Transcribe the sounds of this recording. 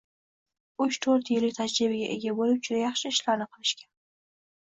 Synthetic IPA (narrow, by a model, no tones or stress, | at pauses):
ʊt͡ʃt̪ʰoɾt̪jɪlɪkʲt̪ʰad͡ʒɾɪbɪɡʲaʔḛɡʲabolɪp̚t͡ʃʰʊd̪ajɑχʃɪɪʃlaɾnɪqʰɨlɪʃkʲan